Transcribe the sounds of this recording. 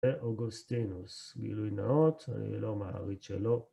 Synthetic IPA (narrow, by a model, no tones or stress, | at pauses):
eʔoɡust̪inusɡḭlujnaot̪a̰nḭlomaʁit͡ʃḛlo